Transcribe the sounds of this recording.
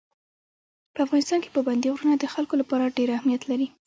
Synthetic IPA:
pəafɣɑnɪst̪ɑnke̥pəband̪iɣɾunad̪əxalkolapɑɾaɖeɾahmijat̪laɾi

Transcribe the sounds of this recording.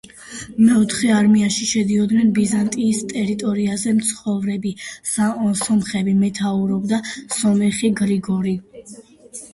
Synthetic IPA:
mɛɔt̪ʰχɛaɾmiaʃiʃɛd̪iɔd̪nɛnbizant̪ʼiːst̪ʼɛɾit̪ʼɔɾiazɛmt̪sʰχɔvɾɛbisasɔmχɛbimɛt̪ʰauɾɔbd̪asɔmɛχiɡɾiɡɔɾi

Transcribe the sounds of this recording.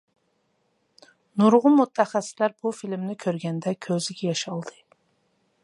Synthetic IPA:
nuɾʁʊmut̪ʰːɛχɛsːɪ̥slæɾbufilmnɪkʲʰøɾɡʲɛnd̪ɛkʲʰøzɪɡʲɛjɑʃɑlˠd̪ɨ

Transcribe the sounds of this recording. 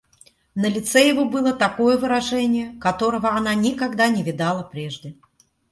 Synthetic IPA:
nəlʲɪt̪sɛjɪvobɨlˠət̪ɐko̞jəvɨɾɐʐɛnʲɪjəkɐt̪o̞ɾəvəɐnanʲɪkɐɡd̪anʲɪvʲɪd̪alˠəpɾʲeʐdʲɪ

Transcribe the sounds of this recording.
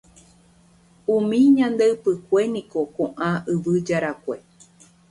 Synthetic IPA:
ũmĩɲãnd̪eɨpɨkʷenĩko̞kõʔãʔɨʋɨd͡ʒaɾakʷe̞

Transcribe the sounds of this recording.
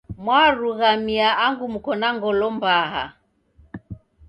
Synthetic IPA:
mwaɾuɣamiaaŋɡumukɔnaŋɡɔlɔmbaɦa̰

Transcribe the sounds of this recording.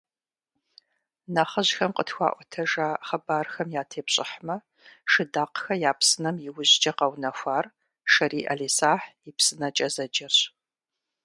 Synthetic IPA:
nɐχɐʑxɐmqətxʷa̰ːʔʷɔtʰɐʒaːχɐbaːrxɐmjaːtʰeːpɕʼɪħmɐ | ʃɪdaːqxɐjaːpsɨnɐmjɪwʊʑd͡ʒɐqɐwnɐxʷaːr | ʃɐɾiːʔɐɮiːsaːħipsɨnɐt͡ʃʼɐzɐd͡ʒɐrɕ

